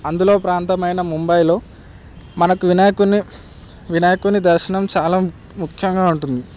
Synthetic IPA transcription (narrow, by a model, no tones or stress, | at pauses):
ɐnd̪ulo̞ːpɾaːnt̪ɐmɐjnɐmumbɐjlo̞ː | mɐnɐkuʋinaːjɐkuni | ʋinaːjɐkunid̪ɐɾʃɐɳɐmt͡ʃaːlaː | mukʰjɐŋɡaːuɳʈund̪i